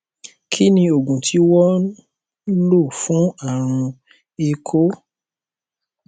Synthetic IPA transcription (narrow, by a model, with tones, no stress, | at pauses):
kʰi˦nĩ˧o˨ɡũ˨tʰi˨˦wɔ˦ | lo˦˨fũ˨˦a˦˨ɾ̃ũ˧ | e˧kʰo˦